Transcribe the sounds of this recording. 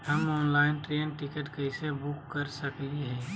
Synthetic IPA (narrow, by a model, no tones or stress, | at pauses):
ɦɐmɔːnlaːɪnʈɾeːnʈɪkəʈkɐɪsebʊkːəɾsɐkiɦɛ̃ː